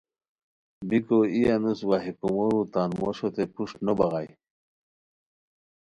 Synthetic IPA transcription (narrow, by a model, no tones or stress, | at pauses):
bikoijanuswaɦikumoɾut̪anmoɕot̪epuʂnobaɣaj